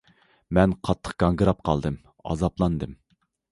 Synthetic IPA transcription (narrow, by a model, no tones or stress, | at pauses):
mɛnqʰɑt̪ʰːə̥qɡ̥ɑŋɡɨɾɑp̚qʰɑlˠd̪ɨm | ɑ̰zɑplˠɑnd̪ɨm